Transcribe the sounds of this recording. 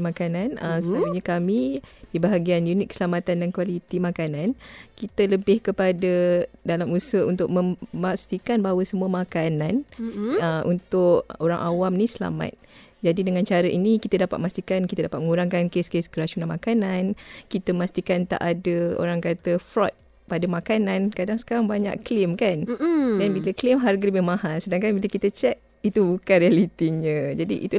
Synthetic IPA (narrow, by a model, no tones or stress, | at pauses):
makananəsəauɲakamidibaɦaɡianjunɪt̚kə̥səlamat̪andankwalit̪imakanankit̪ələbɪhkəpadədalamusəṵnt̪ʊk̚məmast̪ikanbaɦwəsəmuəmakanan | ʔunt̪ʊʔoɾa̰ŋʔa̰wamnisəla̰ma̰t̪̚ | d͡ʒadidəŋãnt͡ʃaɾəʔinikit̪ədapat̪̚mast̪ikankit̪ədapat̪̚məŋuɾaŋkankeskeskəɾasunalmakanankit̪əmast̪ikant̪a̰ʔadəo̰ɾaŋkat̪əfɾɔt̪̚ | padamakanankadaŋsə̥kaɾaŋbaɲa̰ʔklɪmkandanbiləklɪmɦarɡələbɪhmãɦansədaŋkanbiləkit̪ət͡ʃɛk̚ | it̪ubukanrialit̪iɲə̃d͡ʒadḭʔḭt̪u